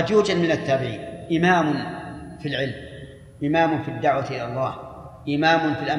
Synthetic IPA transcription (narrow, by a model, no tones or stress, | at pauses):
d͡ʒuːd͡ʒad̪mɪnat̪ːaːbɪʕḭːnʔɪmaːmʊnfilʕɪlm | ʔɪmaːmʊnfid̪ːaʕwat̪ʔɪlalˤːɑːh | ʔɪmaːmʊnfilʔa